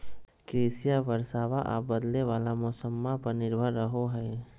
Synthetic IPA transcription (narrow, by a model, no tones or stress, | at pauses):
kɾiːsijaʋɐɾsaːʋaʔa̰ːbɐd̪leʋaːlamʊsəmːapɐɾnɪɾbʱəɾːəɦoɦɛː